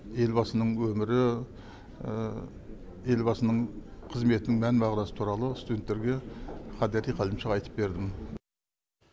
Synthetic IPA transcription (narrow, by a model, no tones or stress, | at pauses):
e̞lbɑsənəɴwɵmɪɾɪ | e̞lbɑsənəɴqʰəzme̞t̪ɪnɪŋmænbɑʁlˠɑsə̥t̪ʰuɾɑlˠəst̪ud̪ʲent̪ːe̞ɾɡʲe̞χʰɑd̪æɾijqʰɑləmʃəɑjt̪ʰə̥p̚be̞ɾd̪ɪm